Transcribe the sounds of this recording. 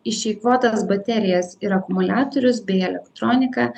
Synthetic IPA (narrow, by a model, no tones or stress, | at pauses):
ɪʃʲɛɪkʋoːt̪ɐsbɐt̪ʲɛɾʲɪjɛsɪɾɐkʊmʊlʲæːt̪ɔɾʲʊsbʲɛɪɛlʲɛkt̪ɾɔːnʲɪkɐː